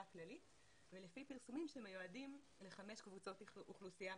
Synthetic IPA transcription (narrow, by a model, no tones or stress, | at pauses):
aklalit | velefipiʁsumimʃemajoadim | le̞χameʃkvut͡so̞t̪uχlusija